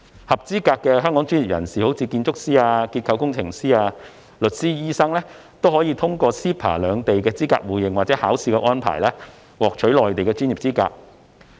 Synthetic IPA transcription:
hɐ˨p̚t͡siː˥kaː˧kːɛː˧ɦœː˥ŋkɔː˨˥ŋt͡ʃy˥nji˨˩p̚jɐ̰˨˩nsiː˨ho˨˥wt͡sʰiː˧kiː˧nt͡sʊ˥k̚siː˥aː˧kiː˧t̚kʰɐ˧wkʊ˥ŋt͡sʰɪ˨˩ŋsiː˥aː˧ | lɵ˨t̚siː˥jiː˥sɐ˥ŋlɛː˥ | t̪o˥whɔ˨˥jiː˧t̪ʰʊ˥ŋkɔː˧siː˥pʰa̰ː˨˩lœː˨˧ŋt̪e˨jkɛː˧t͡siː˥ka̰ː˧k̚wuː˨˩jɪ˨ŋwa˨t̚t͡sɛː˨˥haː˨˥wsiː˧kɛː˧ʔɔː˥npʰa̰ː˨˩jlɛː˥ | wɔː˨˩k̚t͡ʃʰɵ˨˥ɥlɔː˨jt̪e˨jkɛː˧t͡ʃyː˥nji˨p̚t͡siː˥ka̰ː˧k̚

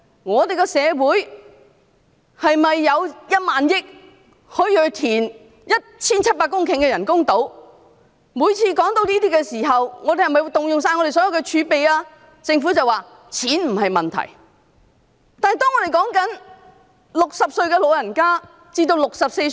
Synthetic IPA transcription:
ŋɔː˨˧t̪e˨jkɛ˧sɛː˨˧wuː˨˥j | hɐ˨jmɐ˨jːɐ˨˧wjɐ˥t̚maː˨njɪ˥k̚ | hɵ˨˧˥ɥjœ˨˩t̪ʰiː˨˩n | jɐ˥t̚t͡sʰiː˥nt͡sʰɐ˥t̚paː˧kːʊ˥ŋkʰɪ˨˩ŋkɛː˧jɐ˨˩nkʊ˥ŋt̪o˨˥w | muː˨˧jt͡sʰiː˧kɔː˨˥ŋt̪o˧wniː˥t̪̬iː˥kɛ˧siː˨˩ɦɐ˨wŋɔː˨˧e˨jhɐ˨˩mɐ˨jt̪ʊ˨ŋjʊ˨ŋsaː˧nŋɔ˧ɾe˨jsɔː˨˥jɐ˨˧wkɛ˧t͡ʃʰyː˨˧pe˨jaː˧ | t͡sɪ˧ŋfu˨˥t͡sɐ˨waː˨˩ | t͡sʰiː˨˥nm̩˨˩hɐ˨jmɐ˨nt̪ʰɐ̰˨˩j | t̪aː˨nhɐ˨jt̪ɔː˥ŋːɔː˨˧ɾe˨jkɔː˨˥ŋkɐ˨˥n | lʊ˨k̚sɐ˨p̚sɵ˧ɥkɛː˧lo˨wjɐ˨˩nkaː˥ | t͡siː˥t̪o˧wlʊ˨k̚sɐ˨p̚se˧

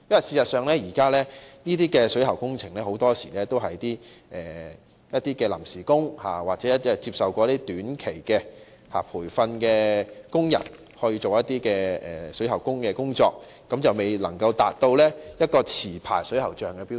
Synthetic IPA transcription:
jɐ˥mɐ˨˩siː˧sɐ˨t̚sœː˨ŋlɛː˥jiː˨˩kaː˥lɛː˥niː˥t̪iː˥kɛː˧sɵ˨˥jhɐ˨˩wkʊ˥ŋt͡sʰɪ˨˩ŋlɛː˥ho˨˥wt̪ɔː˥siː˨˩lɛː˥t̪o˥wɦɐ˨jt̪iː˥ʔɛː˨˩ | jɐ˥t̚t̪iː˥kɛː˧lɐ̰˨˩msiː˨˩kʊ˥ŋha̰ː˨waː˨˩t͡sɛ˨˦˥ɐ˥˨˩t͡siː˧p̚sɐ˨wkʷɔː˧jɐ˥t̪iː˥t̪yː˨˥nkʰe˨˩jkɛː˧ | ha̰ː˨˩pʰuː˨˩jfɐ˧nkɛː˧kʊ˥ŋjɐ̰˨˩n | hɔː˧˥jiː˧t͡so˨wjɐ˥t̚t̪iː˥kɛː˧ɛ̰ː˨sɵ˨˥ɥhɐ˨˩wkʊ˥ŋkɛː˧kʊ˥ŋt͡sɔ̰ː˧k̚ | kːɐ˨˥mt͡sɐ˨wme˨˩jlɐ˨˩ŋkɐ˧wt̪a̰ː˨t̚t̪o˧wlɛː˥jɐ˥t̚kɔː˧t͡sʰiː˨˩pʰa̰ː˨˩jsɵ˨˥jhɐ˨˩wt͡ʃœː˨ŋkɛ˧piː˥

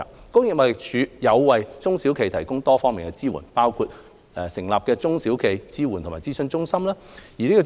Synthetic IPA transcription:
kʊ˥ŋjɪ˨k̚mɔː˨˧jɪ˨k̚t͡ʃʰyː˨˧jɐ˨˧wwɐ˨jt͡sʊ˥ŋsi˨˥wkʰe˨˧jt̪ʰɐ˨˩jkʊ˥ŋt̪ɔː˥fɔː˥ŋmi˨˩ŋkɛ˧t͡siː˥wṵ˨˩npaː˥wkʰuː˧t̚ | ɛ˨˧sɪ˨˩ŋlaː˨p̚kɛː˧t͡sʊ˥ŋsi˨˥wkʰe˨˧jt͡siː˥wuː˨˩nt̪ʰmaː˨˩jt͡siː˥sɵ˧nt͡sʊ˥ŋsɐ˥mlaː˥jiː˨liː˥kːɔ˧

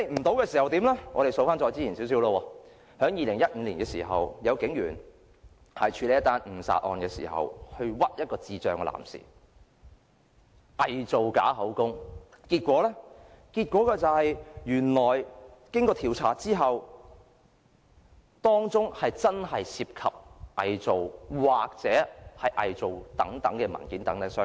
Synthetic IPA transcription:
e˧jm̩˨˩t̪o˨˥wkɛː˧siː˨hɐ˨wt̪iː˨˥mlɛ˥ŋɔ̰ː˨˧ɾe˨jso˨˧wfaː˥nt͡st͡ʃɔː˧jt͡siː˥t͡ʃʰiː˨˩nsiː˨˥ws̬iː˨˥wlɔː˧wɔː˧ | hœː˨˥ŋjiː˨˧lɪ˨˩ŋjɐ˥t̚ŋ̩˨˧liː˨˩nkɛː˧sḭː˨˩ɦɐ̰˨wjɐ˨˧wkɪ˨˥ŋjy̰ː˨˩n | hɐ˨jt͡ʃʰyː˨˧le˨˧jɐ˥t̪aː˥nm̩˨˩sa̰ː˧t̚ʔɔ̰ː˨˧nkɛ˧sḭː˨˩ɦɐ̰˨whɵ˧ɥwɐ˥t̚jɐ˥t̚kɔː˧t͡siː˧t͡ʃœ̰ː˨˧ŋkɛ˧la̰ː˨˩msḭː˨˩ | ʔɐ˨jt͡so˨wka̰ː˨˥ɦɐ˨˥wkʊ˥ŋ | kiː˧t̚kʷɔː˨˥lɛ˥ | kiː˧t̚kʷɔː˨˥kɛː˧t͡sɐ˨whɐ˨jjyː˨˩nlɔː˨˩jkɪ˥ŋkɔː˧t̪ʰiː˨˩wt͡sʰaː˨˥t͡siː˥ɦɐ˨w | t̪ɔː˥ŋt͡sʊ˥ŋhɐ˨jt͡sɐ˥nɦɐ˨jsiː˧p̚kʰɐ˨p̚ʔɐ˨jt͡so˨wwaː˨k̚t͡sɛː˨˥hɐ˨jʔɐ˨jt͡so˨wt̪ɐ˨˥ŋt̪ɐ˨˥ŋkɛː˧mɐ̰˨˩nkiː˨˥nt̪ɐ˨˥ŋt̪ɐ˧sœː˥

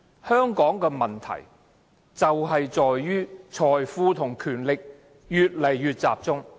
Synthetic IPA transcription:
hœː˥ŋkɔː˨˥ŋkɛː˧mɐ˨nt̪ʰɐ̰˨˩j | t͡sɐ˨whɐ˨jt͡sɔː˨jːyː˥t͡ʃʰɔː˨jfuː˧t̪ʰʊ˨˩ŋkʰyː˨˩nlɪ˨k̚ | jyː˨t̚lɐ˨˩jːyː˨˧t̚t͡sa̰ː˨p̚t͡sʊ˥ŋ

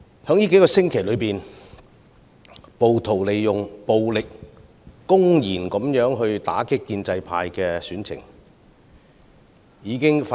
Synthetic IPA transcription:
hœː˨˥ŋjiː˥ke˨˥jkɔː˧sɪ˥ŋkʰe˨˩jlɵ˨˧ɥpiː˨n | po˨wt̪ʰo˨˩wle˨jjʊ˨ŋpo˨wlɪ˨k̚ː | ʊ˥ŋjiː˨˩nkɔ˨˥mjœː˨˥ŋɦɵ˧ɥt̪a̰ː˨˥kɪ˥kːiː˧nt͡sɐ˧jpʰa̰ː˧jkɛː˧syː˨˥nt͡sʰɪ̰˨˩ŋ | jiː˨˧kɪ˥ŋfa

